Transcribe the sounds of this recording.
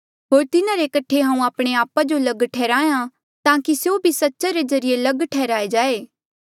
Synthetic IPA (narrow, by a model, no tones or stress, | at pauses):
ɦoːɾt̪ɪnaɾekɐʈʰeɦãːũaːpɽ̃eaːpad͡ʒolɐɡʈʰɛːɾaːjã | t̪ãːkisjobʱisɐtːʃaɾezɐɾɪjelɐɡʈʰɛːɾaːed͡ʒaːeː